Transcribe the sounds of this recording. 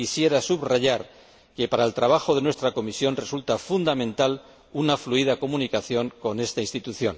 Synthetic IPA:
isje̞ɾasuβraʝaɾ | ke̞paɾaelt̪ɾaβ̞axo̞ðe̞nwe̞st̪ɾako̞misjo̞nre̞sult̪afund̪amẽ̞nt̪al | unafluið̞ako̞munikaθjo̞ŋko̞ne̞st̪ainst̪it̪uθjo̞n

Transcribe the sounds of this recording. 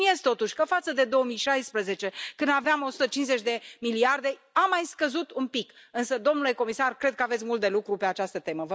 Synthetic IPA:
iest̪o̞t̪uʃʲkəfat̪səd̪e̞d̪o̞omijʃajspɾəze̞t͡ʃe̞kɨnd̪aveamo̞su̥t̪ət͡ʃinsze̞t͡ʃʲd̪e̞miliard̪e̞ | amːajskəzut̪unpikɨnsəd̪o̞mnule̞ko̞misarkɾe̞d̪̚kəavetsʲmult̪̚d̪e̞lukɾupe̞at͡ʃast̪ət̪e̞məvə

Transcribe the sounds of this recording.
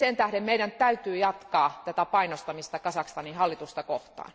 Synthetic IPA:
sent̪æhɾemmeiɾænt̪æyt̪yːjɑt̪kɑːt̪æt̪æpɑinost̪ɑmist̪ɑkɑsɑkst̪ɑnihɑlːit̪ust̪ɑkoht̪ɑ̰ːn

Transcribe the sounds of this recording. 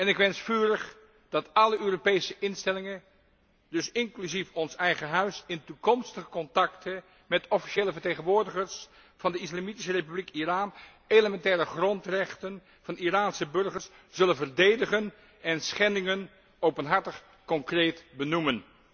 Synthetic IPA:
ɛnɪkʋɛnsfyːrəχ | d̥ɑtɑləʔøːropejsəʔɪnstɛlɪŋən | dɵsɪŋklyzifɔnsɛjχəɦœɥsɪntukɔmstəχəkɔntɑktʰə | mɛtɔfi̥ʃeːləvəɹtejχənʋʊːɹdəχəɹs | v̥ɑndəɪslamitisərepyblikiraːn | eləmɛntɛːrəχrɔntrɛχtən | v̥ɑniraːnsəbɵɹχəɹs | z̥ɵlənvərdejdəχən | ɛnsχɛndɪŋən | owpənɦɑɹtəχ | kɔŋkrejtbənumən

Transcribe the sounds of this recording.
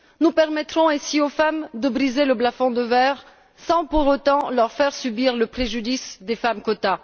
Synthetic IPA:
nupɛʁmɛt̪χɔ̃ɛ̃siofamd̪əbʁizeləblafɔ̃d̪əvɛʁ | sɑ̃puʁot̪ɑ̃lœʁfɛʁsybiʁləpχeʒyd̪isd̪efamkɔt̪a

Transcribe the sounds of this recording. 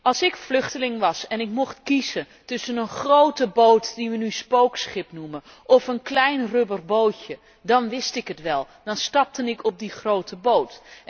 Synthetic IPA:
ɑlˠsɪkflɵχtəlɪŋʋɑsɛnɪkmɔχtkizə | tɵsənənχrowtəbowtdiʋənyspowksχɪpnumə | ʔɔfənklɛjnrøbərbowcə | dɑnʋɪstɪkətʋɛlˠ | d̥ɑnstɑp̚tənɪkʰɔp̚diχrowtʰəbowt

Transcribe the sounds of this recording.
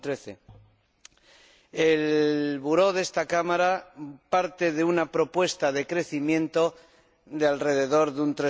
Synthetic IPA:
t̪ɾeθe | e̞lβuɾo̞ðe̞st̪akamaɾapaɾt̪e̞ðeunapɾo̞pwe̞st̪aðe̞kɾe̞θimjẽ̞nt̪o̞ | d̪ealre̞ðe̞ðo̞ɾðunt̪ɾe

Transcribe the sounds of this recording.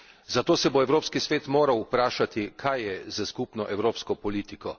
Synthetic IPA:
zat̪oːsɛboɛwɾoːpskisʋeːt̪moːɾawupɾaːʃat̪ikʰajːɛzaskupnɔʔɛwɾoːpskɔpɔliːt̪ikɔ

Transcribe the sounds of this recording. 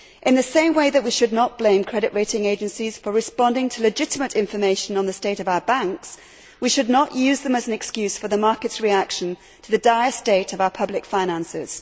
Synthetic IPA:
ʔɨ̃nðɨsẽɪ̃mweɪðɨʔ̚wiʃɨdⁿnət̚b̥lẽɪ̃mkʰɹ̥ɛɾɨʔɹeɪɾɪ̃ŋeɪd͡ʒɨ̃nsiz̥fə˞ɹɨspɑ̃ndɪ̃ŋtʰəlɨd͡ʒɪɾəmɨɾɪ̃ɱfə˞meɪʃɨ̃nə̃nðɨsteɪɾʌvaʊə˞bæ̃ŋks | wiʃɨdⁿnəʔjʉzðə̃mɨzn̩ɨkskjʉz̥fə˞ðəmɑɹkɨtsɹiækʃɨ̃n | tʰəðɨdaɪəsteɪɾʌvaʊə˞pʰʌblɨkfãɪ̃ñæ̃nsɪ̰z̥

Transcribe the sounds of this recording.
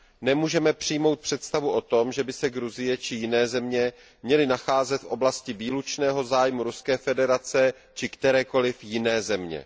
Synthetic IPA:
nɛmuːʒɛmɛpr̝̥ɪjmo̞wt̪̚pr̥ɛt̪st̪avuʔo̞t̪o̞mʒɛbɪsɛɡɾuzɪjɛt͡ʃɪjɪnɛːzɛmɲɛ | mɲɛlɪnaxaːzɛt̪fʔo̞blascɪviːlut͡ʃnɛːɦo̞zaːjmuɾuskɛːfɛdɛɾat͡sɛ | t͡ʃɪkt̪ɛɾɛːko̞lɪfjɪnɛːzɛmɲɛ̰

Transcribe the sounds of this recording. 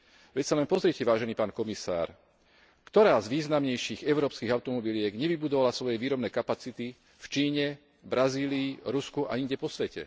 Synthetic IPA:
ʋɛcsalɛnpɔzɾɪiɛcɛʋaːʒɛniːpaːnkɔmisa̰ːɾ | kt̪ɔɾaːzʋiːznamɲɛjʃiːɣɛʊɾɔːpskiːɣaʊt̪ɔmɔbilɪɛɡɲɛʋibud̪ɔʋalasʋɔjɛʋiːɾɔbnɛːkapat͡sit̪i | ft͡ʃiːɲɛ | bɾaziːliːɾuskuʔa̰iŋɟɛpɔsʋɛcɛ̰

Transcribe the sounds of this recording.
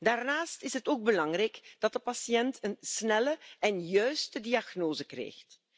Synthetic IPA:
daːrnaːstɪsɦətoːɡ̚bəlɑŋrɛjkd̥ɑt̚dəpɑsiɛntʰənsnɛləʔɛnjœɥstədiɑɣnoːzəkrḛːjxt

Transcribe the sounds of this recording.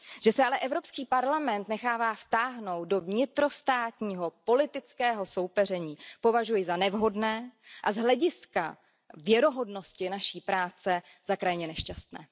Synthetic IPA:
ʒ̥ɛsɛalɛʔɛvɾo̞pskiːpaɾlamɛnt̪nɛxaːvaːft̪aːɦno̞wt̪̚do̞vɲɪt̪ɾo̞st̪aːt̪ɲiːɦo̞po̞lɪt̪ɪt͡skɛːɦo̞so̞wpɛr̝ɛɲiːpo̞vaʒujɪzanɛvɦo̞dnɛːʔazɦlɛɟɪska | vjɛɾo̞ɦo̞dno̞scɪnaʃiːpɾaːt͡sɛ | z̥akɾajɲɛnɛʃcast̪nɛ̰ː

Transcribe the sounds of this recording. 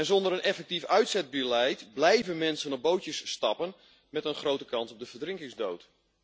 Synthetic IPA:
ɛnzɔndəɾənʔɛfɛk̚tifœɥtsɛd̚bylɛjtblɛjvənmɛnsənɔb̚bowtjəsːtɑpən | mɛtənχrowtəkɑnsɔb̚dəvərdrɪŋkɪŋzdowt

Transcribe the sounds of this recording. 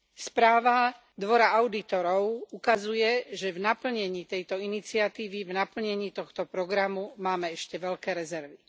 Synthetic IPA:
spɾaːʋa | d̪ʋɔɾaaʊd̪it̪ɔɾɔʊukazujɛʒɛvnapl̩ɲɛɲiːt̪ɛjt̪ɔinit͡siat̪iːʋivnapl̩ɲɛɲiːt̪ɔxt̪ɔpɾɔɡɾamumaːmɛɛʃcɛʋɛʎkɛːɾɛzɛɾʋi

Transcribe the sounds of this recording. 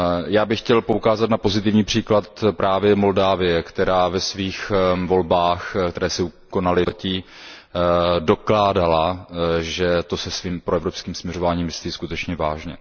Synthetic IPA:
jaːbɪxːcɛlpo̞ukaːzat̪napo̞zɪt̪ɪvɲiːpr̝̥iːklat̪pɾʔaːvjɛmo̞ldaːvɪjɛkt̪ɛɾaːvɛsviːxvo̞lbaːxkt̪ɛɾɛːsɪukonalɪci | do̞klaːdalaʒɛt̪o̞sɛsviːmpɾoɛvɾopskiːmsmɲɛro̞vaːɲiːmvɪst̪jiːskut̪ɛt͡ʃɲɛvaːʒɲɛ̰

